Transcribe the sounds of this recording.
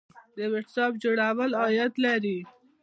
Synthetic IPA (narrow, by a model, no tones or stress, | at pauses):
d̪əweʈsɑp̚d͡ʒoɽawəlɑjat̪laɾi